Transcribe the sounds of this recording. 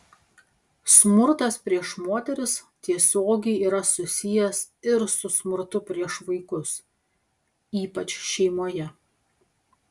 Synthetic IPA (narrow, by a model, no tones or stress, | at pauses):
smʊɾt̪ɐspʲɾʲiɛʃmoːt̪ʲɛɾʲɪs | t̪ʲiɛsʲoːɡʲɛɪiːɾɐsʊsʲɪjɛsɪɾsʊsmʊɾt̪ʊpʲɾʲiɛʃʋɐɪkʊs | iːpɐt͡ʃʲʃʲɛɪmoːjɛ